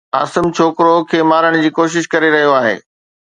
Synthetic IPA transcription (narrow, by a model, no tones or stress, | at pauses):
a̰ːsɪmt͡ɕʰoːkɾokʰeːmaːɾəɽ̃d͡ʑiːkoːʃ̬ɪʃkɐɾeɾɐɦijoaːɦḛː